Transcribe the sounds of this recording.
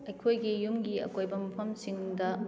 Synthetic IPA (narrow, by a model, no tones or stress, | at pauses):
ɐjkʰojɡijumɡiɐ̰kojbɐmɐpʰɐmsiŋdɐ